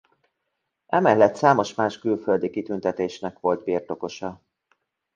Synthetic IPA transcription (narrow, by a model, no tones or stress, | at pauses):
ɛmɛlːɛt̪saːmo̞ʃmaːʃkylføld̪ikit̪ynt̪ɛt̪eːʃnɛkʋo̞lt̪̚birt̪o̞ko̞ʃɒ